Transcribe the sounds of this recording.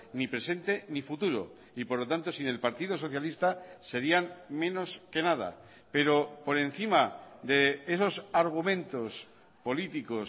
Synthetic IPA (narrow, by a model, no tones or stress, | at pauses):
nipɾe̞se̞nt̪e̞nifut̪uɾo̰ | ipo̞ɾlo̞t̪ant̪o̞sine̞lpaɾt̪ið̞oso̞θjalist̪ase̞ɾianmẽ̞no̞ske̞nað̞a̰ | pe̞ɾo̞po̞ɾẽ̞n̟θimad̪e̞eso̞saɾɣ̞umẽ̞nt̪o̞s | po̞lit̪iko̞s